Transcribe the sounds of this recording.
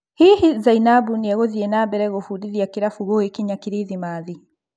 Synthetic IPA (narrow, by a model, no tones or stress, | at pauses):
hiːhizainabuniaɣoðiɛnaːbɛɾɛɣofundiðiakiɾafuɣoekiɲakiɾiðimaði